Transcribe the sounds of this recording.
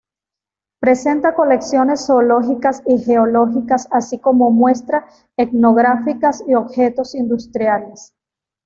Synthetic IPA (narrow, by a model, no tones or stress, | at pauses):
pɾe̞se̞nt̪ako̞le̞ksjo̞ne̞sːo̞lo̞xikasixe̞olo̞xikasasiko̞mo̞mwe̞st̪ɾa | ekno̞ɣɾafikasio̞bxe̞t̪o̞sind̪ust̪ɾjale̞s